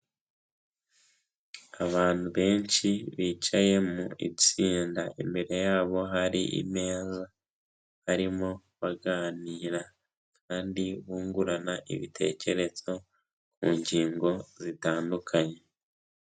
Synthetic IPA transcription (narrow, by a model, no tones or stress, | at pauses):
aβaːn̥huβe̞ːnt͡ʃiβiːt͡ʃaje̞muḭit͡siːndaʔḭmbe̞ɾe̞jaːβo̞ɦaɾiʔḭme̞ːza | haɾimo̞ | βaɡaːniːɾa | kʰaːndiβuːŋɡuɾanaʔḭβitʰe̞̰ːce̞ɾe̞z̥o̞ | kuːɲɟiːŋɡo̞zitaːndukʰaɲe̞